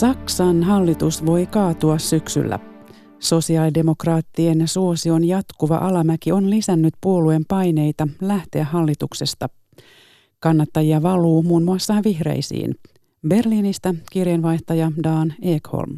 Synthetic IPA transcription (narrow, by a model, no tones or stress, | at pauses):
sɑksɑnɦɑlːit̪usʋo̞jkɑːt̪uɑssyksy̰lːæ̰ | so̞siɑːlide̞mo̞krɑːt̪ːie̞nsuo̞sio̞njɑt̪kuʋɑ̰ʔɑlɑmækio̞nlisænːyt̪puo̞lue̞mpɑjne̞jt̪ɑlæht̪eæɦːɑlːit̪ukse̞st̪ɑ | kɑnːɑt̪ːɑjiɑʋɑluːmuːnmuɑsːɑːnʋihrḛjsḭːn | be̞rliːnist̪ɑkirjenʋɑjht̪ɑjɑdɑːneːkho̰lm